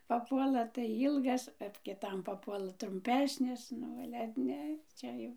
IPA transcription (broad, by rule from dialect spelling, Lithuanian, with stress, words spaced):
pɐˈpuɔlˠɐ tɐɪ ˈiːlˠɡɐs oːt kʲɪˈtɐm pɐpuɔˈlˠɐ trʊmʲˈpʲæːsʲnʲɪs ˈnʊ ˈɑːlʲɛ ˈnʲɛ ˈt͡ʃʲɛ jɛʊ